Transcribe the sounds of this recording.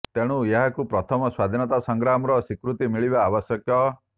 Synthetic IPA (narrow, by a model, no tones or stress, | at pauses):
t̪eɽ̃ueɦakupɾɔt̪ʰɔmɔswad̪ʱinɔt̪asɔŋɡɾamɔɾɔsikɾut̪imiɭibaːbɔsjɔkjɔ